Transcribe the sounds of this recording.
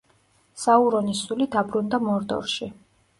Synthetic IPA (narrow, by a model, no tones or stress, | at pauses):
sauɾɔnisulid̪abɾund̪amɔɾd̪ɔ̰ɾʃi